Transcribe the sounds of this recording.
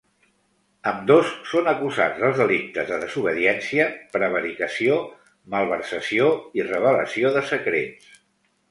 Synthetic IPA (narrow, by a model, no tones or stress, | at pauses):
əmd̪osːonəkuza̰d͡zðəlˠzðəlik̚t̪əzðəðəzuβ̞əðiɛnsiəpɾəβ̞əɾikəsio | məlˠβ̞əɾsəsioirəβ̞ələsioðəsəkɾḛns